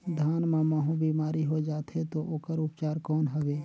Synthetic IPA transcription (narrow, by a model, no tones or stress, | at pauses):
d̪ʱaːnmamaɦũbiːmaːɾiɦod͡ʒaːt̪ɦet̪oʔoːkəɾʊpt͡ʃaːɾkɔːnɦəʋeː